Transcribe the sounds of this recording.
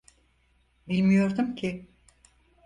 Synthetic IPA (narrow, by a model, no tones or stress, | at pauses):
bilʲmijo̞ɾd̪umcʰɪ